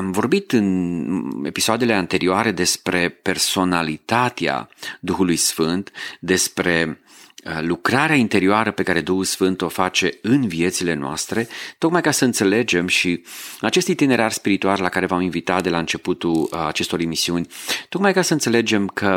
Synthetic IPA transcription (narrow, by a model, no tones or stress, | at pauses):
amvo̞rbit̪ɨn | e̞̰pisoad̪e̞le̞ant̪e̞ɾioaɾe̞d̪e̞spɾe̞pe̞rso̞nalit̪at̪ea̰d̪uxulujsfɨnt̪d̪e̞spɾe̞ | lukɾaɾeaint̪e̞ɾioaɾəpe̞kaɾe̞d̪uxulsfɨnt̪o̞fat͡ʃe̞ɨnvie̞t̪silenoa̰st̪ɾe̞t̪o̞kmajkasəɨnt̪se̞le̞d͡ʒe̞mʃiat͡ʃe̞st̪ujt̪ine̞ɾarspiɾit̪uallakaɾe̞vaminvit̪at̪̚d̪e̞laɨnt͡ʃe̞put̪ula̰t͡ʃe̞st̪o̞ɾimisiunʲt̪o̞kmajkasəɨnt̪se̞le̞d͡ʒe̞mkʰə